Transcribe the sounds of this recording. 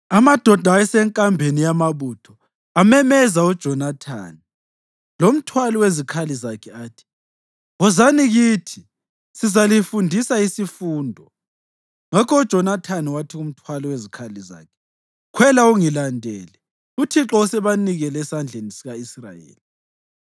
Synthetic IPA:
amad̥ʱɔd̥ʱaɛsɛŋkʼambʱenijamaβutʰɔ | amɛmɛzaud̥ʒ̥ʱɔnatʰa̰ni | lom̩tʰwalɔwezikʰalizakʰɛaːtʰi̥ | ɔzaniɣitʰi | sizalifundʱisaisifuːndʱɔ | ŋakɔud̥ʒ̥ʱɔnatʰaniwatʰium̩tʰwalɔwezikʰaliza̰ːkʰɛ̥ | kʰwɛlauŋilandʱɛ̰ːlɛ | utʰiǁɔusɛβaniɣɛlɛsand͡ɮʱenisiɣaisra̰jḛːli

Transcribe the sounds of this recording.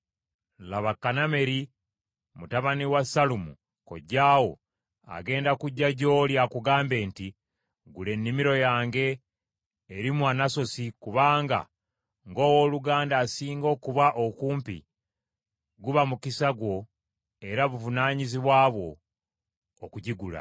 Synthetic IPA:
laβakːaname̞ɾi | mutaβaniwasalumṵ | ko̞̰ɟːaːwo̞̰ | a̰ɡe̞ːndakuɟːaɟo̞ːljakuɡaːmbe̞ːnti | ɡule̞nːimiɾo̞jaːŋɡe̞ː | ɾimwanaso̞sikuβaːŋɡa̰ | ŋɡo̞ːwo̞ːluɡaːndaːsiːŋɡo̞ːkuβaʔokuːmpḭ | ɡuβamukisaɡwo̞ | e̞ɾaβuvunaːɲiziβwaːβwo̞ | kuɟiɡula̰

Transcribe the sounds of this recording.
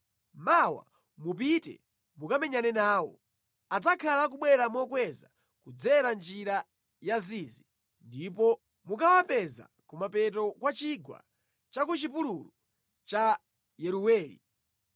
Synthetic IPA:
mawa̰ | mup̬itɛ̰ | mukamɛɲanɛnaːwɔ̰ | ad͡zakʰalak̬uɓwɛɾamɔkwɛza | kud͡zɛɾand͡ʒiɾa | jaziːzi | ndipɔ | mukawapɛza̰ | kumapɛt̬ɔkwat͡ʃiɡwa̰ | t͡ʃakut͡ʃipululɔ | t͡ʃa | jɛɾuwɛːlḭ

